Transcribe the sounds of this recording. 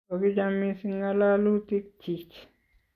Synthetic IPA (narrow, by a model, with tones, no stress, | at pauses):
o˨ki˦d͡ʒamisi˦ŋa˦la˦lu˦t̪i˦k̚tʰːi˨t͡ʃ